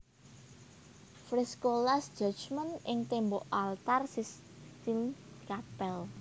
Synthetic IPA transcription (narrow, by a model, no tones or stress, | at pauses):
fɾiskolasd͡ʒ̥ɔ̤t͡ʃmənʔɪŋt̪emboʔalt̪arsis | t̪ilkapɛl